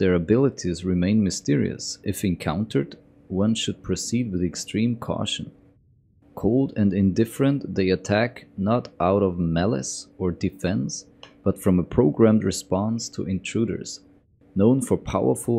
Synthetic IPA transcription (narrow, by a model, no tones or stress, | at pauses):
ðə˞ɨbɪlˠəɾʰizɹɪmẽɪ̃nmɨstɪɹḭɨ̰sʔɨfɨ̃nkʰãʊ̃ntʰə˞d | wʌ̃nʃɨd̚pʰɹ̥ɨsid̚wɨðɨkstɹ̥ĩmkʰɔ̰ʃɨ̃n̩ | kʰoʊlˠdɨ̃nɨ̃ndɪfɹə̃nðeɪɨtʰæknəɾʔaʊɾʌvmælˠɨ̰sə˞dɨfɛ̃ns | b̥ʌtfɹʌ̃məpʰɹ̥oʊɡɹæ̃mdɹɨspɑ̃nstʰə̰ʔɨ̃ntʰɹ̥uɾə̰˞z̥ | nõʊ̃nfə˞pʰaʊə˞flˠ